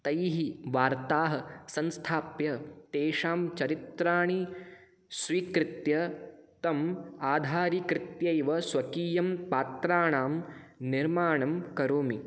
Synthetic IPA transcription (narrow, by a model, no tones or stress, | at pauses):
t̪ɐjɦiʋaːɾt̪aːɦɐ̆sɐnst̪ʰaːpjɐt̪eːʂaːmt͡ʃɐɾit̪ɾaːɳ̃i | sʋiːkɾɪt̪jɐt̪ɐmaːd̪ʱaːɾikɾɪt̪jɐjʋɐsʋɐkiːjɐmpaːt̪ɾaːɳaːm | niɾmaːɳɐmkɐɾoːmi